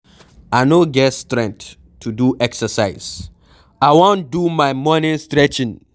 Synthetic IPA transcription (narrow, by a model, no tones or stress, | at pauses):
aɪnoɡɛtstɹɛ̃ŋk̚t | tʰːuduʔɛksəsaɪz | aɪwõn̚dumaɪmɔnɪ̃nstɹɛt͡ʃɪ̃n